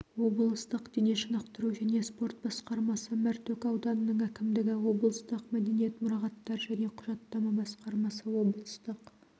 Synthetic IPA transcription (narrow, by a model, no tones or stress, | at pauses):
wo̞blˠəst̪əqd̪̥eneʃənɑqt̪əɾuʒæne̞spo̞rt̪̚bɑsqɑɾmɑsəmæɾt̪ʰɵkɑwd̪ɑnənəɴækʲɪmd̪ɪɡʲɪwo̞blˠəst̪əqmæd̪e̞nije̞t̪mʊɾɑʁɑt̪ːɑɾʒæne̞qʰʊʒɑt̪ːɑmɑbɑsqɑɾmɑsəwo̞bəlˠəst̪əq